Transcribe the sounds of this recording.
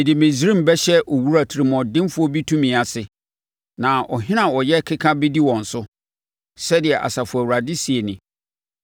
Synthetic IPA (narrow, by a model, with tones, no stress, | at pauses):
ɪ˨dɪ˨mɪ̃˨si˨˦ɾĩ˦m̩˨bɛ˦ɕɛ˦ʔɔ˨wu˦ɾa˨tʰi˨ɾi˨mɔ̃˨dɪ̃˦m˦fʊ˦ɔ˦bi˦tʰũ˦mĩ˨a˨sɪ˨ | nã˨ʔɔ̰˨ɦɪ̃˦nã˨wɔ˨jɛ˦kʰɪ˦kʰã˦bɪ˦di˦wɔ̃˨n̩˨sʊ˦ | sɛ˦dɪ˨ɛ˨ʔa̰˨sa˨fʊ˨æ˨wu˨ɾa˨dɪ˦si˨e˨nɪ̃˨